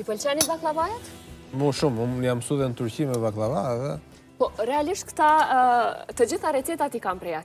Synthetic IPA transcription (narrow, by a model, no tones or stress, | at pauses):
ipəlt͡ʃanibaklˠavajat̪muʃumumjamsuðɛnt̪uɾcimɛvaklˠavaɛðɛ | pɔɾɛaliʃt̪kt̪a | t̪əd͡ʑiθaɾɛt̪ɛt̪at̪ikampɾɛjat̪